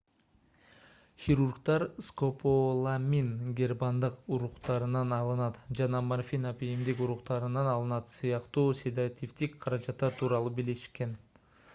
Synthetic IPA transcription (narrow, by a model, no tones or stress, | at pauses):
xʲiɾurkt̪ɑɾskopʰolˠamʲinɡʲerbɑnd̪ɯquɾuqt̪ɑɾɯnɑnɑlˠɯnɑt̪d͡ʒɑnɑmanfʲinapijimd̪ikuɾuqt̪ɑɾɯnɑnɑlˠɯnɑt̪sɯjɑqt̪uːsʲed̪ʲat̪ʲift̪ikqʰɑɾɑd͡ʒɑt̪ːɑt̪ʰuːɾɑlˠubiliʃke̞n